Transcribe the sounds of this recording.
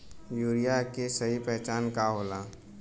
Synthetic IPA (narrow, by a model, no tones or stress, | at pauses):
juːɾijakesɐɦipɛɦt͡ʃaːnkaɦoːlaː